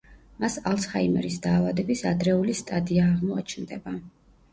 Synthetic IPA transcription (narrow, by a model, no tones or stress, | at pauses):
masalˠshaimɛ̰ɾisd̪aːvad̪ɛbisad̪ɾɛulist̪ʼad̪iaːʁmɔa̰t͡ʃʰnd̪ɛba